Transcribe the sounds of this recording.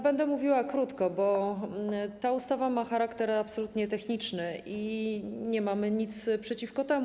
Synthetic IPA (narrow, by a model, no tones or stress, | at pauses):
bɛnd̪ɛmuvʲiwakɾut̪kɔbɔ | t̪aust̪avamaxaɾakt̪ɛɾapsɔlut̪ɲɛt̪ɛxɲit͡ʂnɘʔiɲɛmamɘɲit̪spʂɛt͡ɕifkɔt̪ɛmu